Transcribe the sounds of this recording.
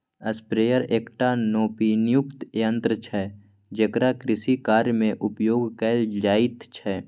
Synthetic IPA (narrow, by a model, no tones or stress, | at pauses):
ɐspɾeːjəɾeːkʈanoːpinɪjʊkt̪jə̃nt̪ɾət͡ʃʰɛ | d͡ʒəkɾakɾɪsikaːɾjmẽʔʊpjoːɡkɛːld͡ʒaːɪt̪t͡ʃʰɛ